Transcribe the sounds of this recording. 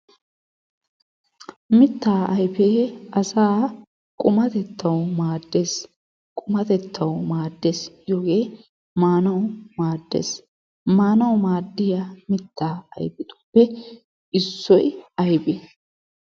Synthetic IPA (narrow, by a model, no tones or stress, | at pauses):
mɪt̪ːaːʔɐjpeːɐsaː | kʼʊmɐt̪ɛt̪ːɐwmaːd̪ːe̞ːs | kʼʊmɐt̪ɛt̪ːɐwmaːd̪ːe̞ːsjoːɡe̞ː | maːnɐwmaːd̪ːḛːs | maːnɐwmaːd̪ːɪjamɪt̪ːaːɐ̰jpɪt̪ʊ̥pːɛ | ɪsːɔjɐjbe